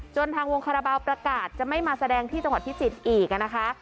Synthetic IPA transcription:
t͡ɕo˧nt̪ʰaː˧ŋwo˧ŋkʰa˧ɾa˧baː˧wpɾa˧kaː˨˩t̪̚t͡ɕa˨˩ma˥˩jmaː˧sa˧dɛː˧ŋt̪ʰiː˥˩t͡ɕa˧ŋwa˨˩t̪̚pʰi˦˥t͡ɕi˨˩t̪̚ʔiː˨˩k̚a˩na˦˥kʰa˦˥ʔ

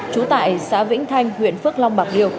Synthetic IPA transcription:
t͡ɕu˨˦t̪a̰ː˧˨jsa̰ː˧˥vḭ˧˥ŋ̟t̪ʰa˧jŋ̟hwḭ˧˨ənfɨ˦˥ək̚la˧wŋ͡mɓaː˨˩k̚li˧əw

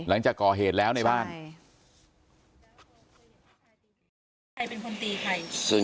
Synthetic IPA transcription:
la˩˦ŋt͡ɕaː˨˩kːɔː˨˩ɦeː˨˩t̪̚lɛː˦˥wna˧jbaː˥˩n | kʰa˧jpe˧nkʰo˧nt̪iː˧kʰa˧˩jsɯ˧˩

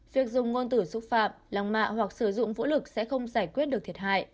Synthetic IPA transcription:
vi˨˩ək̚zʊ˨˩ŋ͡mŋo˧nt̪ɨ˧˩sʊ˦˥k͡p̚fa̰ː˧˨mla˨˩ŋma̰ː˧˨hwa˨˩k̚sɨː˧˩zʊ̰˧˨ŋ͡mvṵ˧˥lɨ˨˩k̚sɛ̰˧˥xə˧wŋ͡mzaː˧˩jkwi˦˥ət̚ɨ˨˩k̚t̪ʰə˩ha̰ː˧˨jʔ

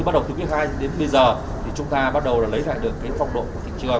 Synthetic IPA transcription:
ɨ˧a˦˥ɗə˨˩wt̪ʰːwt̚xhaː˧jɗe˨˦nɓə˧jzəː˨˩ | t̪ʰi˨˩t͡ɕʊ˨˦ŋ͡mt̪aː˧ɓa˦˥t̚ɗə˨˩wlaː˧˨˩lə˨˦jla̰ː˧˨jɗɨ˨˧˩əŋkaː˨˦fa˧wŋ͡mɗo̰˧˨nku˧˩ət̪ʰḭ˧˨ŋt͡ɕɨ˧ə

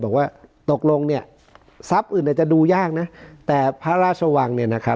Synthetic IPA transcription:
bɔː˨˩k̚waː˥˩t̪o˨˩k̚lo˧ŋni˥˩ɐ | sa˦˥p̚ʔɯː˨˩na˥˩t͡ɕa˨˩duː˧jaː˥˩k̚na˦˥t̪ɛː˨˩pʰaː˥˩ɾaː˥˩t̪̚t͡ɕʰa˧wa˧ŋni˥˩ɐna˦˥kʰa˦˥

